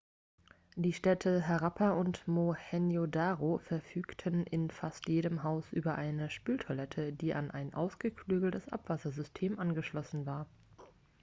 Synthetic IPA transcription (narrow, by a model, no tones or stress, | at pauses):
d̥iːʃtɛtʰəɦaʁapʰaʔʊntmohɛnjodaːʁofɛɐfyːktʰənʔɪnfastjeːɾəmɦaʊsʔyːbɐʔaɪnəʃpyːltʰolɛtʰədiːʔa̰nʔaɪnʔa̰ʊsɡ̥əkʰlyːɡl̩təsʔa̰pv̥asɐzʏstʰeːmʔanɡəʃlɔsn̩vaːɐ